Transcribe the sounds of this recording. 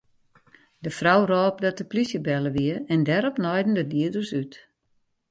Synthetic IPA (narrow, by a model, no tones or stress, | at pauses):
dəfrawrɔːp̚dɔtəplisjəbɛləʋiəɛndɛɾɔpnɔjdn̩dədiədərsyt